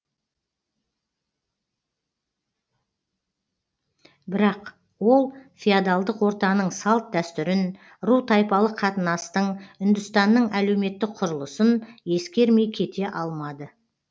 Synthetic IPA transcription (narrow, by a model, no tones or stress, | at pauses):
bɪɾɑq | wo̞lˠfʲijad̪ɑlˠd̪əqwo̞ɾt̪ɑnəɴsɑlˠt̪̚d̪æst̪ʏɾɪn | ɾut̪ʰɑjpɑlˠəqʰɑt̪ənɑst̪əɴʏnd̪ʏst̪ɑnːəɴæle̞wme̞t̪ːɪk̚qʰʊɾəlˠəsənje̞skʲe̞ɾme̞jkʲʰe̞t̪e̞ʔɑlˠmɑd̪ə